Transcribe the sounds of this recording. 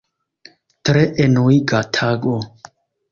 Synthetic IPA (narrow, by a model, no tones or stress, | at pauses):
tɾeʔenoiɡatʰaɡo